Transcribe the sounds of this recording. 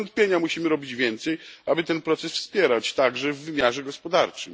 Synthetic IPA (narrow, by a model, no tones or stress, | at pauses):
nt̪̚pʲjeɲamuɕimɘɾɔbʲid͡ʑvʲjɛnt̪sɛjʔabɘt̪ɛnpɾɔt̪sɛsfspʲjɛɾat͡ɕt̪aɡʐɛvːɘmʲjaʐɛɡɔspɔd̪aɾt͡ʂɘm